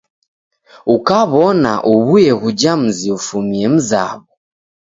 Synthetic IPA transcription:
ukaβɔna̰ʔuβujɛɣud͡ʒam̩ziufumiɛm̩za̰βu

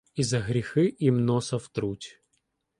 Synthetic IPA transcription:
izɐɣɾʲɪxɨʔimnosɐft̪ɾutʲ

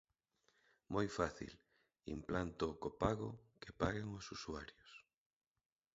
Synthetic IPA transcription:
mojfaθḭl | ḭmplant̪okopaɣʊ̰kepaɣeŋosusuaɾjos

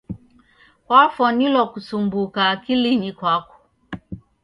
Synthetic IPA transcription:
kwafɔnilɔkusumbukakilinikwakɔ̥

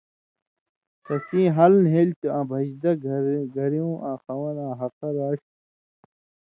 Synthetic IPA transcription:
tɐsĩːɦɐlnɦelt̪uãbʱɐd͡ʑd̪ɐɡɡʱɐɾiũːʔãːxɐwɐnãːɦɐqɐɾaːɕ

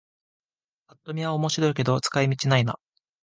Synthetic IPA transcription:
at̪ːo̞mʲiβaomo̞ɕiɾo̞ik̬e̞d̪o̞t͡sɨ̥kaimʲit͡ɕinaina̰

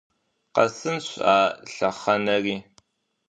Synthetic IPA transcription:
qɐ̰sɨnɕʷaːɬɐχɐnɐriː

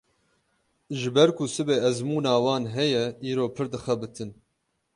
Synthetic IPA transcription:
ʒɨbɛɾkusɨbeːɛzmuːnaːwɑːnɦɛjɛiːɾoːpʰɨɾd̪ɨxɛbɨt̪ʰɨn

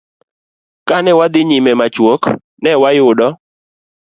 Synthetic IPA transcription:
kanɛwad̪ɪɲimɛmat͡ʃwok | nɛwajʊdɔ

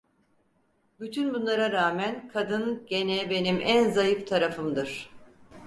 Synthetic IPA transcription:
byt̪ʰynbunlˠaɾaɾaːmænkʰad̪ɯnɟe̞nɛbe̞nimʔænzajɯft̪ʰaɾafɯmd̪ɯɾ̥

